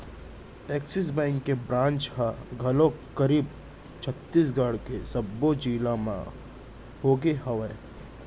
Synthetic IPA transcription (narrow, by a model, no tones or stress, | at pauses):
eːksɪs̬bɛ̃ːŋkːebɾãːnt͡ʃɦaɡʱɐlõkɐɾiːb | t͡ʃʰət̪ːiːs̬ɡaːɽkesɐbːod͡ʒiːlamã̰ | hoːɡeɦɐʋe